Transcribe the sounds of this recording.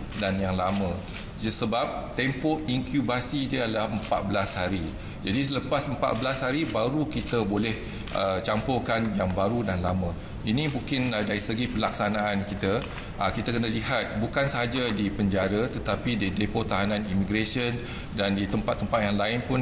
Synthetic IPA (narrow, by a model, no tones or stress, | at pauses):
danjaŋlamə̃ | səbap̚t̪empɔiŋkjubasidiəalahəmpa̰t̪̚bəlashaɾi | d͡ʒadisələpasəmpa̰t̪̚bəlashaɾibaɾukit̪əbolɛh | ʔət͡ʃampɔkanjaŋbaɾudanlamə̃ | inĩmuŋkɪnədaɾisəɡipəlaksanaːnkit̪ə | ʔəkit̪akənəliɦat̪̚bukansəɦad͡ʒadipəɲd͡ʒaɾət̪ət̪apididepot̪aɦanãnimiɡɾesiən | dandit̪əmpat̪ːəmpat̪̚jaŋlaɪnpʊn